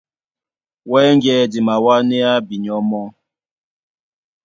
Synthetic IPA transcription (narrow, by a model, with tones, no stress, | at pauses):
wɛ˦ŋ˦ɡjɛ˨di˨ma˨wa˦nɛ˦a˦bi˨ɲɔ˦mɔ˦